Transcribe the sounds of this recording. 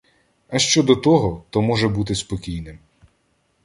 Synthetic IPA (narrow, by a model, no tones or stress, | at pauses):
ɐʃt͡ʃɔd̪ɔt̪ɔɦɔt̪ɔmɔʒɛbut̪ɪspɔkʲijnɪm